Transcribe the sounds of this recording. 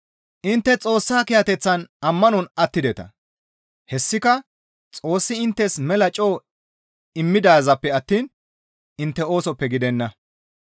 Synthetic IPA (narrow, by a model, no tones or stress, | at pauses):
ʔɪnt̪ːɛt͡sʼo̞ːsːaːkɪjɐt̪ɛt͡sːɐnɐmːɐnɔnɐt̪ːɪd̪ɛt̪ɐ̰ | hɛsːɪkɐ | t͡sʼo̞ːsːɪɪnt̪ːɛsmɛlɐt͡ʃʼːo̞ː | ɪmːɪd̪aːzɐpːɛɐt̪ːiːn | ʔɪnt̪ːɛo̞ːsɔpːɛɡɪd̪ɛnːɐ